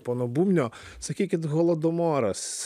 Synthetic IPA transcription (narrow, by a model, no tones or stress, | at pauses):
pɔnɔbumnʲɔ | sɐkʲikʲɪt̪ɣɔlˠɔd̪ɔmɔɾɐs